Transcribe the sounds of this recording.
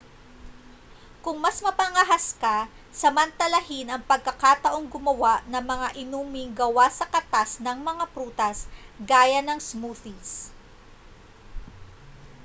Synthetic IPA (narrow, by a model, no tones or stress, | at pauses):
kʊŋmɐsmɐpɐŋɐɦaska | sɐmɐnt̪ɐlɐhɪnɐŋpɐɡ̚kːɐkat̪ɐʔo̞ŋɡʊmɐwaʔnɐmɐŋaʔɪnuːmɪŋɡɐwasɐkɐt̪asnɐŋmɐŋapɾuːt̪ɐsɡaːjɐnɐŋsmuθis